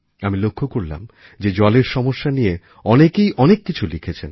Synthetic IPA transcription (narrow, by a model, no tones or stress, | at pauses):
amilokʰːokoɾla̰m | d͡ʑed͡ʑɔleɾʃɔmoʃːanije | ɔnekejʔɔnekːit͡ɕʰulikʰet͡ɕʰen